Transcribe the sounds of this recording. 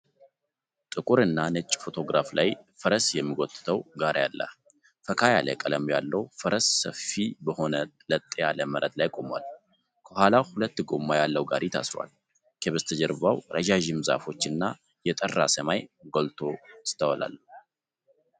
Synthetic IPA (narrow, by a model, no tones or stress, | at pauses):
t̪ʼɨkʼuɾɨnːanɨt͡ʃʼːfo̞t̪ʰo̞ɡɾaflajfəɾəsjɛmːiɡot̪ʼɨ̥t̪ʰəwɡaɾjalːə̰ | fəkʰajalə̰kʼələmjalːəwfəɾəsːəfibəho̞nələt̪ʼːjaləməɾʔət̪lajkʼo̞mwa̰l | kʰəhʷalahulət̪ːɡomːajalːəwɡaɾit̪ʰa̰sɾwa̰l | kʰəβəst̪ʰəd͡ʒɛɾβawɾʔəʒaʒɪmza̰fo̞t͡ʃːɨnːa | jɛt̪ʼərːa̰səmajɡolt̪ʰo̞ɨst̪ʰːəwɔla̰lː